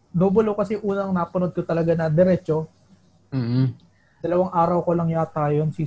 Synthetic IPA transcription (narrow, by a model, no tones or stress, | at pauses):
d̪oːbolokɐsɛʔuːnɐŋnaːpɐnod̪̚kot̪ɐlɐɡanɐd̪ɛɾɛːt͡ʃoː | d̪̥ɐlɐwaŋʔaːɾɐwkolɐŋjaːt̪aːjonsi